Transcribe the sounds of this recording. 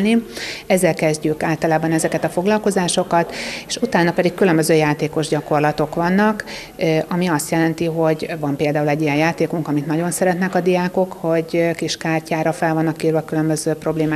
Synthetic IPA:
niɛzːɛlkɛzɟykaːlt̪ɒlaːbɒnɛzɛkɛt̪ɒfo̞ɡlɒlko̞zaːʃo̞kɒt̪eːʃut̪aːnɒpɛd̪ikkylømbøzøːjaːt̪eːko̞ʒɟɒko̞rlɒt̪o̞kʋɒnːɒk | ʔɒmiɒst̪jɛlɛnt̪iɦo̞ɟvɒmpeːld̪aːulɛɟːijɛnjaːt̪eːkuŋkɒmit̪nɒɟo̞nsɛɾɛt̪nɛkɒd̪iaːko̞kho̞ɟkiʃkaːrcaːɾɒfɛlvɒnːɒkːiːrvɒkylø̞mbøzøːpro̞bleːmaː

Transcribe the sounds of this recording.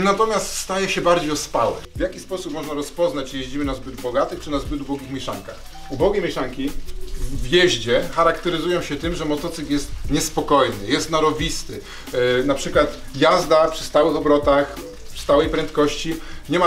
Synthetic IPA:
nat̪ɔmʲjast̪st̪ajɛɕɛbaɾd͡ʑejɔspawɛ̰vʲjakʲispɔsupmɔʐnaɾɔspɔznat͡ɕjeʑd͡ʑimɘnazbɘd̪bɔɡat̪ɘxt͡ʂɘnazbɘd̪ubɔɡʲixmʲjɛʂa̰ŋkax | ubɔɡʲejmʲjɛʂaŋkʲi | vjɛʑd͡ʑɛxaɾakt̪ɛɾɘzujɔ̃w̃ɕɛt̪ɘmʐɛmɔt̪ɔt̪sɘkjɛst̪ɲɛspɔkɔjnɘjɛst̪naɾɔvʲist̪ɘ | napʂɘkwat̪ | jazd̪apʂɘ̥st̪awɘxɔbɾɔt̪ax | pʂst̪awɛjpɾɛnt̪kɔɕt͡ɕiɲɛma

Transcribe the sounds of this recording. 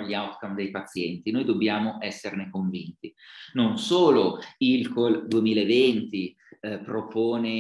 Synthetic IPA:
ʎːiawt̪kamd̪ejpat̪sːjɛnt̪inojd̪obːjaːmoʔɛsːernekoɱvint̪inonsoːloilkold̪uemiːlaevent̪i | pɾopoːne

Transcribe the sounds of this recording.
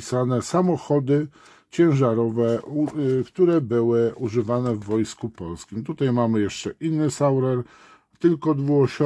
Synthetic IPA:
isanɛsamɔxɔd̪ɘ | t͡ɕɛ̃w̃ʐaɾɔvɛukt̪uɾɛbɘwɘuʐɘvanɛvːɔjskupɔlskʲimt̪ut̪ajmamɘjɛʂt͡ʂɛʔinːɘsawɾɛɾ | t̪ɘlkɔd̪vuɔɕɔ

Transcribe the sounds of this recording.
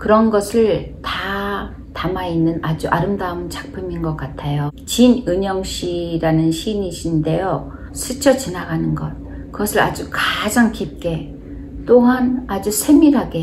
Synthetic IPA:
kɯɾʌnɡʌsʰɯɭta | tamainːɯnad͡ʑuʔaɾɯmdaɯmɯnt͡ɕḁk̚pʰɯminɡʌk͈atʰejot͡ɕinɯɲʌŋɕ͈ʰiɾanɯnɕʰiniɕʰinde̞jo | sʰɯt͡ɕʰʌt͡ɕinaɡanɯnɡʌt̚ | kɯɡʌsʰɯɾa̰d͡ʑukad͡ʑaŋkip̚k͈e̞ | t͈oŋanad͡ʑusʰe̞miɾɦaɡe̞

